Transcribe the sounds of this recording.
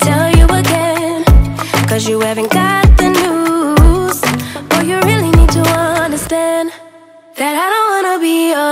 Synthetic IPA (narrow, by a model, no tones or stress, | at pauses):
tʰɛlˠjɨəɡɛnkʰʌzjɨhævɨ̃nɡ̥ɑt̪̚ðɨnu | z̥bʌjɨɹɪlˠinid̚tʰəʌ̃ndə˞stæ̃n | ðɨɾaɪɾõʊ̃n̚wɑnəbiʌ